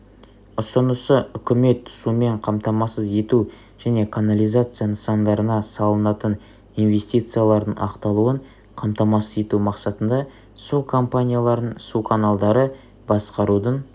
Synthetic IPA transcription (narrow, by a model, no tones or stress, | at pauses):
ʊsənəsəʏkʲɪme̞t̪ʰːʊ̥sume̞ɴqʰɑmt̪ɑmɑsəze̞t̪u | ʒ̥æne̞kʰanalʲijzat̪sɨjanəsɑnd̪ɑɾənɑsɑlˠənɑt̪ən | inve̞sʲt̪ijt̪sɨjalˠɑɾd̪əɴɑ̰qt̪ɑlˠuəɴ | qʰɑmt̪ɑmɑsəze̞t̪umɑqsɑt̪ənd̪ɑ | sukʰo̞mpanʲijalˠɑɾənsukʰanalˠd̪ɑɾə | bɑsqɑɾud̪ən